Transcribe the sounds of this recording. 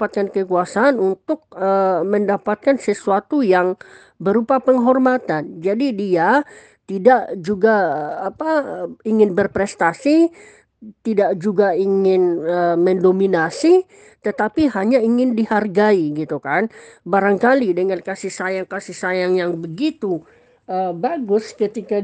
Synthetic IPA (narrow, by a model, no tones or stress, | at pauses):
pat̪̚kankəkuasaːnunt̪ʊk̚əməndapat̪̚kansəsuat̪ujaŋ | bəɾupapəŋɦɔrmat̪and͡ʒadidia | t̪idaʔd͡ʒuɡaːpaiŋɪnbərpɾɛst̪asi | t̪idaʔd͡ʒuɡaiŋɪnəməndominasi | t̪ət̪apiɦaɲaiŋɪndiharɡaiɡit̪ukanbaɾaŋkalidəŋankasɪhsajaŋkasɪhsajaŋjaŋbəɡit̪u | əbaɡʊskət̪ika